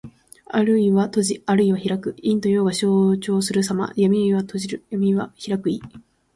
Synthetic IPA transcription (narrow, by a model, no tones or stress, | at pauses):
aɾɯ̟iβat̪o̞ʑiaɾɯ̟iβaçiɾakɯ̟ĩnt̪o̞jo̞ːɡaɕo̞ːt͡ɕo̞ːsɨɾɯ̟s̬ama̰jamʲiiβat̪o̞ʑiɾɯjamʲiβaçiɾakɯ̟i